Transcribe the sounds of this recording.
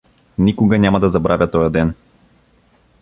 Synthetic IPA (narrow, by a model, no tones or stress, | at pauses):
nikʊɡɐnʲamɐd̪ɐzɐbɾʔavʲjət̪ɔjɐd̪ɛn